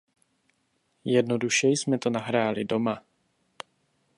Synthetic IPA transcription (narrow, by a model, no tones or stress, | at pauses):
jɛdnoduʃɛjsmɛt̪onaɦɾaːlɪdo̞ma